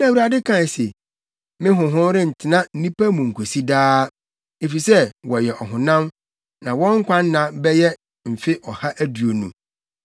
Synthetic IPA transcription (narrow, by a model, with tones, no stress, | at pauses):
nã˦˨wu˦ɾa˨dɪ˦kʰã˦˨n˨se˨ | mɪ̃˦ɦʊ̃˨ɦʊ̃˦ɾɪ˦n̩˨tʰɪ˨nã˦n̩˦nĩ˦pæ˦mũ˨ŋ̩˨kʰo˨si˦daː˦ | e˨fi˨sɛ˦wɔ˨jɛ˨ʔɔ˨ɦʊ̃˨nã˦m | nã˨wɔ̃˦ŋ̩˦kʷʰã˦nː˦ã˨bɛ˦jɛ˦ | m̩˨fɪ˦ʔɔ˨ha˦ʔæ˦du˨o˨nṵ̃˨